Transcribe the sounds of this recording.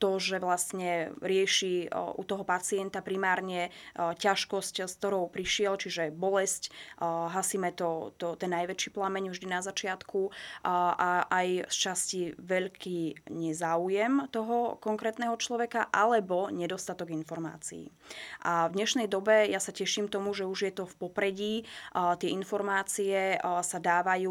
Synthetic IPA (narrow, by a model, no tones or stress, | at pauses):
t̪ɔʒɛʋlast̪ɲɛɾɪɛʃiʔṵt̪ɔɦɔpat͡siɛnt̪apɾimaːɾɲɛcaʃkɔscsk̚t̪ɔɾɔʊpɾiʃɪɛlt͡ʃiʒɛbɔlɛscɦasiːmɛt̪ɔt̪ɔt̪ɛnːajʋɛt͡ʃiːplamɛɲvʒd̪inazat͡ʃɪat̪kʰu | ʔaʔajst͡ʃasciʋɛʎkʰiːɲɛzaːujɛmt̪ɔɦɔkɔŋkɾɛːt̪nɛɦɔt͡ʃlɔʋɛkaʔalɛbɔɲɛd̪ɔst̪at̪ɔɡinfɔɾma̰ːt͡sḭḭː | ʔavd̪ɲɛʃnɛjd̪ɔbɛjasacɛʃiːmt̪ɔmuʒɛuʒjɛt̪ɔfpɔpɾɛɟiːt̪ɪɛinfɔɾmaːt͡siɛsad̪aːʋajuː